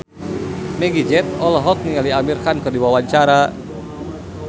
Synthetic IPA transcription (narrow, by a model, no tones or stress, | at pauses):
mɛɡid͡ʒɛt̪̚ɔlɔɦɔk̚niŋaliamirkankɨrdiwawaɲt͡ʃaɾa